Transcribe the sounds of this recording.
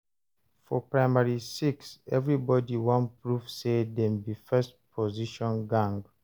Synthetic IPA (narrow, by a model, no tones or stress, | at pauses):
fɔpɹaɪmaɹisiksɛvɹibɔdiwãnpɹufsedɛ̃mbifɛstpʰɔziʃɔ̃nɡãŋɡ